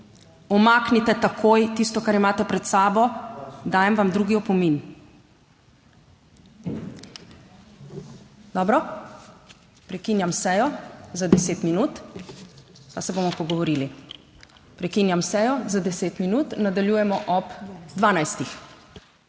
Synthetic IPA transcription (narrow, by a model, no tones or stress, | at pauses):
ɔmaːknit̪ɛt̪akʰojt̪ist̪ɔkaɾimaːt̪ɛpɾɛt̪saːbɔd̪aːjɛmʋamd̪ɾuːɡiɔpɔmin | d̪ɔːbɾɔ | pɾɛkiːnjamsɛːjɔzad̪ɛseːt̪minuːt̪ | pasɛbomɔpɔɡɔʋɔɾiːli | pɾɛkiːnjamsɛːjɔzad̪ɛseːt̪minuːt̪nad̪aljuːjɛmɔʔɔpd̪ʋaːnajst̪ix